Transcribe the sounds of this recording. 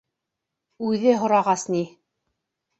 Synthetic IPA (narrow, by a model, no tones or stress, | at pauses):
ʉðɘɦŏɾɑʁɑsni